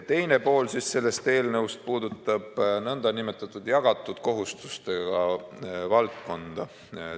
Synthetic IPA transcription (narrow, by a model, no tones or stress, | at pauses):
t̪e̞jne̞po̞ːlsisse̞lːe̞st̪e̞ːlnɤwst̪̚puːd̪ut̪ˑːɑb̥nɤnd̪̥ɑnime̞t̪ːˑɑt̪ːˑud̪̥jɑɡ̥ɑt̪ːˑud̪̥ko̞ɦust̪u̥st̪e̞ɡ̥ɑvɑlt̪̚ko̞nd̪̥ɑ